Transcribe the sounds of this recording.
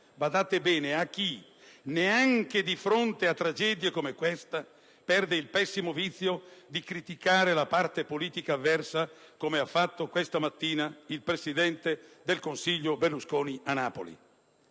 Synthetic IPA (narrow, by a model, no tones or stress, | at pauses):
bad̪aːt̪ebɛːneak̟ːi | neaŋk̟ed̪ifɾont̪eat̪ːɾad͡ʒɛːd̪jekomekwɛst̪a | pɛrd̪eilpɛsːimovit̪sːjod̪ikɾit̪ikaːɾelapart̪epoliːt̪ikaːvːɛrsakomeafːat̪ːokwest̪amat̪ːiːnailpɾesid̪ɛnt̪ed̪elkonsiʎːoberluskoːnianːaːpo̰lḭ